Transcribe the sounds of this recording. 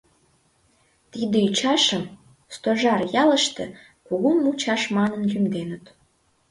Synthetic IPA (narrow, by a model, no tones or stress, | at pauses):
t̪id̪eyt͡ɕɑʃəm | st̪oʒɑrjɑləʃt̪ĕ | kuɣumut͡ɕɑʃmɑnənjymd̪enət̪